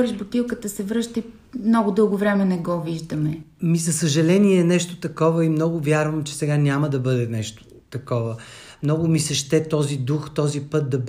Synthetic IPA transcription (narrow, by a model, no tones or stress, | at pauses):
ɾiʒbʊt̪ilˠkət̪əsɛvɾɤʃt̪əi | mnɔɡʊd̪ɤlˠɡʊvɾɛmɛnɛɡɔviʒd̪əmɛmizɐsəʒɐlɛniɛnɛʃt̪o̥t̪ɐkɔvəimnɔɡʊvʲjaɾvəmt͡ʃɛ̥sɛɡanʲaməd̪ɐbɤd̪ɛnɛʃt̪o̥ | t̪ɐkɔvəmnɔɡʊmisɐʃt̪ɛt̪ɔzid̪uxt̪ɔzipɤt̪̚d̪ɐb